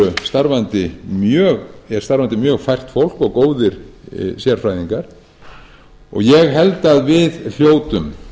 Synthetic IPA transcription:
ʏst̪aɾvant̪ɪmjœːɣɛɾ̥st̪aɾvant̪ɪmjœːɣfajr̥t̪fowl̥kɔɣkoːwðɪɾ̥sjɛɾ̥fɾajðiŋkaɾ̥ | ɔ̰ɣjɛɣɦɛlt̪aðvɪðl̥joːwt̪ʏm

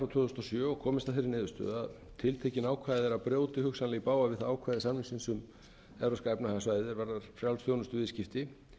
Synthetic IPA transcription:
ɾawt̪ʰʏːθɔst̪ɔsjœːɔkʰɔːmɪst̪aðfɪɾɪnɪːðʏst̪œ̰ðað | t̪ʰɪlt̪ʰejcɪnaːwkʰvajðɛɾaðpɾjoːwt̪ɪhʏksanlɪɣipaːwavɪðθaaːwkʰvajðɪsanmhɪŋsɪnsʏm | ɛvɾoskajpnahasvaːjðɪɾvaɾðaɾ̥fɾjawlsθjownʏst̪ʏvɪscɪft̪ɪ

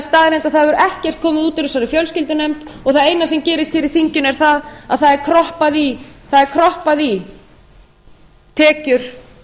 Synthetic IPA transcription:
st̪aːðɪɾejmt̪aðθaðvʏɾʔɛhcɛr̥t̪̚kʰɔːmɪðuːt̪ɪɾʏsaɾɪfjœlscɪlt̪ʏnejmt̪ɔɣθaðejnasɛmcɛːɾɪst̪fɪɾɪɾ̥θiɲcʏnɛɾ̥θaðaðθaðɛɾkʰɾɔhpaðiθaðɛɾkʰɾɔhpaði | t̪ʰɛːcʏɾ̥

